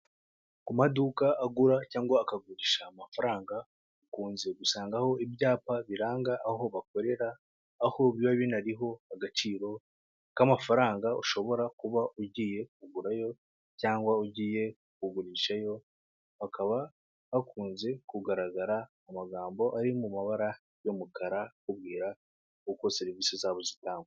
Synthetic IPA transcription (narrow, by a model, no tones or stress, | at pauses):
kumadukaʔaɡuɾacaːŋɡwaːkaɡuɾiːʃaːmafaɾaːŋɡa | ukuːnze̞ɡusaːŋɡaho̞ibjaːpaβiɾaːŋɡaʔːho̞βako̞ɾe̞ɾaː | ho̞βiaβinaɾiɦo̞aɡat͡ʃiːɾo̞ | kamafaɾaːŋɡauʃo̞βo̞ɾakuβaʔuɟiːje̞k̚uɡuɾajo̞ | caːŋɡwauɟiːje̞ | kuɡuɾiːʃajo̞ | akaβa | βakʰuːnze̞kuɡaɾaɡaɾaː | maɡaːmbo̞ʔaɾimumaβaɾa | jo̞mukʰaɾakuβɡiːɾa | kuko̞seɾiviːsizaːβo̞zitaːŋɡwe